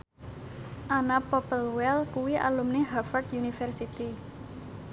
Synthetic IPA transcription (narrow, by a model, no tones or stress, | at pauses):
ʔanapɔpəlwɛlkuwiʔa̰lumniɦafɔrt̪junifɛrsit̪i